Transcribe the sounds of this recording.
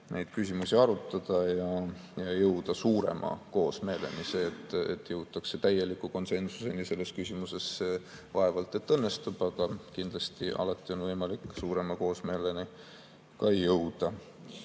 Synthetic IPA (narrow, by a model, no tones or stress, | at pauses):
nʔejd̪̥̚kysʲimusʲiɑɾut̪ːˑɑd̪̥ɑjɑjɑjɤwd̪̥ɑsuːɾe̞̰mʔɑ̰ko̞ːsme̞ːle̞̰nise̞ːt̪ːˑḛt̪ːˑjɤwt̪ːˑɑkse̞t̪æjːe̞likuko̞nse̞nsu̥se̞nise̞lːe̞skysʲimuse̞sːe | vɑe̞vɑlt̪ˑe̞t̪ːɤnːe̞st̪ub̥ɑɡ̥ɑkind̪lɑst̪iʔɑ̰lɑt̪ːˑio̞nvɤjmɑlikːˑsuːɾe̞mɑko̞ːsme̞ːle̞ni | kɑejːɤwd̪̥ɑ